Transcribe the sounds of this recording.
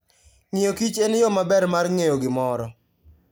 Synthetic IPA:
ŋɪjokit͡ʃenjɔmabɛrmarŋejoɡɪmɔɾɔ

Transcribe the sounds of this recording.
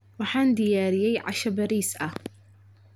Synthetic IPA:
wɑħɑːnd̪ɪjaːɾɪjɛjʕɑ̰ʃɐbɐɾiːsʔɐh

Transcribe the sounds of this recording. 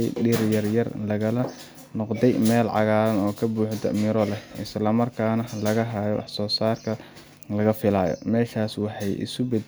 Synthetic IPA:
jɗiɾjɐrjɐrlɐɣɐlɐ | nɔqd̪ɛjmɛːlʕɑ̰ɣaːɾɐnɔːkʰɐbuːħd̪ɐ̰mɪɾɔlɛʔɪslɐmɐrkʰaːnɐlɐɣɐɦaːjɔ̰wɑ̰ħsɔːsaːrkʰɐ | lɐɣɐfɪlaːjɔ̰mɛːʃaːswɑħɑjʔɪ̰sʊbɛd̪

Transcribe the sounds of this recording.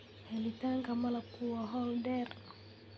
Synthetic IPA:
hɛlitaŋɡamalakuwaɦɔldɛr

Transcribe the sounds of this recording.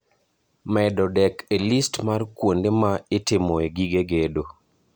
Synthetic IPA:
mɛdɔdɛkelistmarkwondemaɪtɪmoeɡiɡeɡedo

